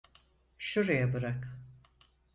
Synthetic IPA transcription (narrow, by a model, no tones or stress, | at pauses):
ʃuɾajabɯɾak